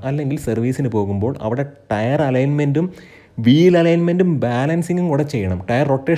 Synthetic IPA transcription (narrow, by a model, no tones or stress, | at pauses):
ɐlːe̞ŋɡilsɐrʋiːsinɨpo̞ːɣumbo̞ːɭɐ̰ʋiɽe̞ʈɐjɐrɐlɐjnmendum | ʋiːlɐlɐjnme̞ndumbaːlɐnsiŋɡumkuɽɐt͡ɕːe̞jːɐɳɐmʈɐjɐrːo̞ʈːeː